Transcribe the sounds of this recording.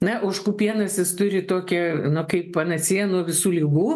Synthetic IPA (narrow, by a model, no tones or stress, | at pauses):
nɐʔɐʊʃkuːpʲiɛnɐsʲɪst̪ʊɾʲɪt̪oːkʲɛnʊkɐɪppɐnɐsʲiɛnuɔʋʲɪsuːlʲiɡuː